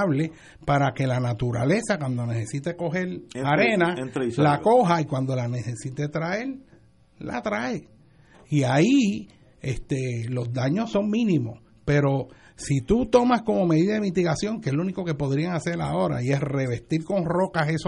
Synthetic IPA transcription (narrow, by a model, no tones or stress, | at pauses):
βle | paɾake̞lanat̪uɾa̰le̞sakwand̪one̞se̞sit̪eko̞ɦe̞ɾaɾe̞nalako̞ɦaikwand̪o̞lanese̞sit̪et̪ɾae̞ɾ | la̰t̪ɾae | iai | est̪elo̞zd̪aɲoso̞ŋmĩnĩmo̞s | pe̞ɾo̞ | sit̪ut̪o̞masko̞mo̞me̞ðiðaðemit̪iɣasjo̞ŋkeeslouniko̞ke̞po̞ðɾiaŋase̞ɾla̰o̞ɾa̰ie̞sre̞βe̞st̪iɾko̞nro̞kases